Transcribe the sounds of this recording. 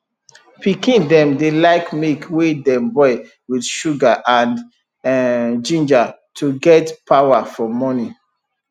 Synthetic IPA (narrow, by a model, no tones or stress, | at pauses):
pikĩndɛ̃mdelaɪkmekwedɛ̃mbɔɪ | widʃuɡaʔãnd | d͡ʒĩnd͡ʒatʰuɡɛtpawafɔmɔni